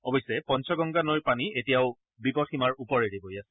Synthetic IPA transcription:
ɔbɔjsɛpɔnsʰɔɡɔŋɡanojpanietijaʊ | bipɔtximaɹupɔɹeɹibojasɛ

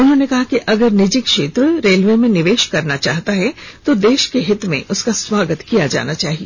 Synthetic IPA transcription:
ʊnɦõːnekɐɦakiʔɐɡəɾnɪd͡ʒɪkʃeːt̪ɾəɾeːlʋemẽnɪʋeːʃkɐɾnat͡ʃa̰ːɦt̪aɦɛt̪od̪eːʃkeɦɪt̪mḛ̃ʔʊskasʋaːɡət̪kijad͡ʒa̰ːnat͡ʃaːɦieː

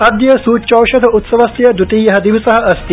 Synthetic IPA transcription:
ɐd̪jɐsuːt͡ʃoːʃɐd̪ʱɐut̪sɐʋɐsjɐd̪uʈ̪iːjɐɦɐd̪iʋisɐɦɐɐst̪i

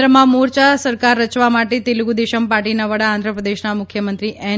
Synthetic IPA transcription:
ɾəmãmuɾt͡ʃasəɾkaɾːət͡ʃʋamaʈet̪eluɡud̪eʃəmpaʈinaʋəɽãːnd̪ʱɾəpɾəd̪eʃnamʊkʰjəmənt̪ɾiʔɛ

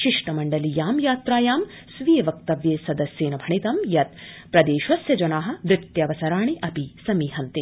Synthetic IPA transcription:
ʃiʂʈɐmɐɳɖɐlijaːmjaːt̪ɾaːjaːm | sʋijeʋɐk̚t̪ɐʋjeːsɐd̪ɐsjeːnɐbʱɐɳit̪ɐmjɐt̪̚ | pɾɐd̪eːʃʋɐsjɐd͡ʒɐnaːɦɐ̆ʋɾɪt̪jɐʋɐsɐɾaːɳiʔɐpisɐmiːɦɐnt̪e

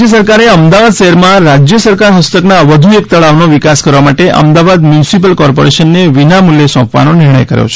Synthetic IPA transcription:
əs̬əɾkaɾeəmd̪aʋad̪ʃəɦɛɾmãɾad͡ʒjəsəɾkaɾɦəst̪əknaʋəd̪ʱuek̚t̪əɭaʋnoʋikaskəɾʋamaʈeʔə̰md̪aʋad̪mjunsip̬əlkɔɾpoɾeʃənːeʋinamuljesɔ̃pʋa̰nonɪɾɳ̃ə̰jkəɾjo̰t͡ʃʰ

